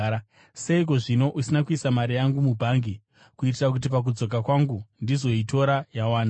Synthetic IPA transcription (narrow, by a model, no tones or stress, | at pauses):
se̞ik̬o̞ʐino̞ʔusinakuisamaɾijaŋɡumubʱaŋɡi | kuit̬irak̬ut̬ip̬ak̬ud͡zo̞kakwaŋɡundizo̞ito̞ɾajawaːna